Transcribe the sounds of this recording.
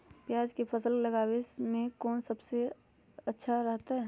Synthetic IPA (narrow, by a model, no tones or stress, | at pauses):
pjaːd͡ʒkepʰɐsəllɐɡaːwesmẽkɔːnsɐbse | ɐtːʃʰaɾɐɦt̪aɦɛ